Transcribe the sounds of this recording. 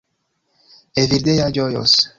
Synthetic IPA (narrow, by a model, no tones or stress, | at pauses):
eviɾd̪ejaɟojo̰s